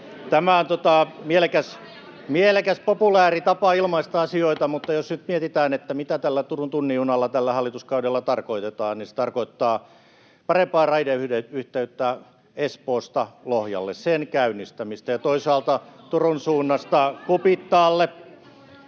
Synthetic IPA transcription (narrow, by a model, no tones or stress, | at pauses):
t̪æmæont̪ot̪ɑmielekæs | mielekæspopulæːrit̪ɑpɑilmɑist̪ɑɑsioit̪ɑmut̪ːɑjosnyt̪miet̪it̪æːnet̪ːæmit̪æt̪ælːæt̪urunt̪unːiunɑlːɑt̪ælːæhɑlːit̪uskɑudelːɑt̪ɑrkoit̪et̪ɑːnnise̥t̪ɑrkoit̪ːɑː | pɑrempɑːrɑideyeyht̪eyt̪ːæ | espoːst̪ɑlohjɑ̰lːḛssenkæynːist̪æmist̪æjɑt̪oisɑːlt̪ɑt̪urunsuːnːɑst̪ɑkupit̪ːɑːlːe